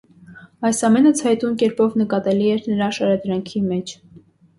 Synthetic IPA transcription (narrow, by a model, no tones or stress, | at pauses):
ɑjsɑmɛnət͡sʰhɑjt̪unkɛɾpɔvnəkɑt̪ɛliɛɾnəɾɑʃɑɾɑd̪ɾɑŋkʰimɛt͡ʃʰ